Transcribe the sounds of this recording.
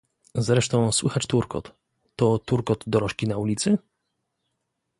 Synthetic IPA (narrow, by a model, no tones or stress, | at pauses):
zɾɛʂt̪ɔ̃w̃swɘxat͡ɕt̪uɾkɔ̰t̪ː | ɔt̪uɾkɔd̪d̪ɔɾɔʂkʲinaulʲit̪sɘ